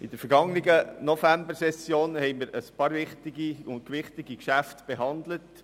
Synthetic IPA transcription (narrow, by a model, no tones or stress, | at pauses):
ʔɪd̥əɾfəɾɡ̥ɑŋnɪɡənɔfæmbəɾsɛsjoːnhɛɪmiːɾəspɑːɾʋɪχtɪɡiʊntkʋɪχtɪɡikʃæftb̥eɦɑnd̪lət